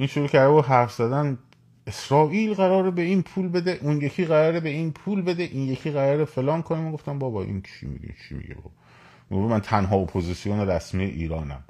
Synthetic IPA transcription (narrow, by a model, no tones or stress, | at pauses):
ʔiːnʃuɾuːcʰæɾd̪eboɦæɾfz̥æd̪æn | esɾɒːʔiːlɣæɾɒːɾebe̞inpʰuːlbe̞d̪eʔunjecʰiːɣæɾɒːɾebe̞iːnpʰuːlbe̞d̪eʔiːnje̞cʰiːɣæɾɒːɾefe̞lɒːnkʰonemoɡoft̪ænbɒːbɒʔḭnt͡ʃʰḭmḭɡḛnt͡ʃʰḭmḭɟḛbɒ̰ːb | oɾumænt̪ʰænɦɒːopʰozisijoneɾæsmiːjḛʔḭːɾɒːnæ̰m